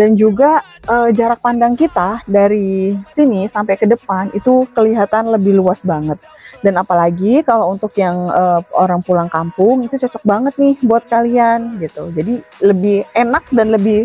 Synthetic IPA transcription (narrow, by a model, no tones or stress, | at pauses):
dand͡ʒuɡa | əːd͡ʒaɾak̚pandaŋkit̪adaɾisinisampajkədəpanit̪ukəliɦat̪anləbɪhluasbaŋət̪̚ | danapalaɡikalount̪ʊkjaŋəːo̰ɾaŋpulaŋkampʊŋit̪ut͡ʃɔt͡ʃɔk̚baŋət̪̚nɪhboat̪̚kalianɡit̪ud͡ʒadiləbɪhenak̚danləbɪh